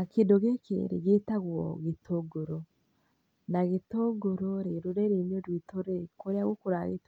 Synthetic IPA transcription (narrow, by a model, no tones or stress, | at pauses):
akendoɣekḛɾḛɣetaɣwɔ̰ɣetʰoɡoɾɔ | naɣetoɡoɾɔɾeɾoɾeɾenodwitoɾekoɾeaɣokoɾaɣḛt